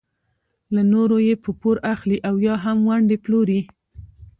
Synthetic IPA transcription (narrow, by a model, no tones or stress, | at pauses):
lanoɾojepəpoɾaxliʔawjɑɦamwaɳɖeploɾi